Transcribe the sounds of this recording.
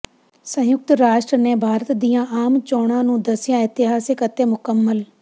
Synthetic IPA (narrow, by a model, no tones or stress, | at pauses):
sə̃jʊk̚t̪ɾaːʃʈɾəneːbʱaːɾət̪d̪ijãːʔaːmt͡ʃɔːɽ̃ãːnũːd̪əsɪjãːɪt̪ɪɦaːsɪkət̪ːeːmʊkəmːəl